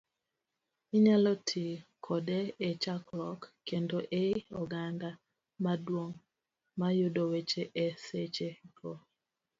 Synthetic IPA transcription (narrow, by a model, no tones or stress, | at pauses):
iɲalɔtʰikʰɔdeet͡ʃaklɔkː | endoʔeɔɡanda | madwoŋ | majʊdowet͡ʃeʔɛset͡ʃeɡo